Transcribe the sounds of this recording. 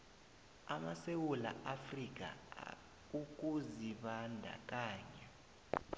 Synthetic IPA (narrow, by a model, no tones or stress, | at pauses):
amasewula̰ʔafrik̬ʼa̰ | uk̬ʼuziɓandʱa̰kʼaːɲa